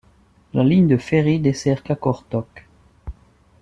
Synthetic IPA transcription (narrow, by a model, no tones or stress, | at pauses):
laliɲd̪əfeʁid̪esɛʁkakɔʁt̪ɔk